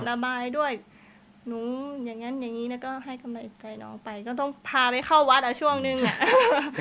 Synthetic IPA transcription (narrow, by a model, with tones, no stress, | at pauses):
la˧baː˧jdu˥˩əj | nuː˨˦ja˨˩ŋːa˦˥nja˨˩ŋːiː˦˥na˦˥kɔː˥˩ɦa˥˩jka˧mla˧jt͡ɕa˧˩jnɔ̰ː˨˧˩ŋpa˧jkɔː˥˩t̪̬ɔ˥˩ŋpʰaː˧pa˧jkʰa˥˩wa˦˥t̪̚ʔaː˧˩t͡ɕʰu˥˩əŋnɯ˧ŋʔa˧˩ʔ